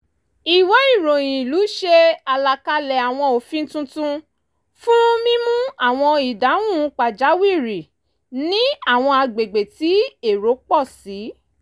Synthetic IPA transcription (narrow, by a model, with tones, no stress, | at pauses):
i˨wɔ˨˦i˦˨ɾõ˨j̃ĩ˨lu˨˦ʃe˧a˨la˨ka˧lɛ˨a˨w̃ɔ̃˧o˨fĩ˦n̩˦tũ˦tũ˦ | fũ˦mĩ˦mũ˦a˦˨w̃ɔ̃˧i˨da˨˦wũ˦˨˦k͡pa˨d͡ʒa˨˦wi˦˨ɾi˨ | nĩ˦a˦˨w̃ɔ̃˧a˧ɡ͡be˨ɡ͡be˨ti˨˦e˦˨ɾo˨˦k͡pɔ˦˨si˨˦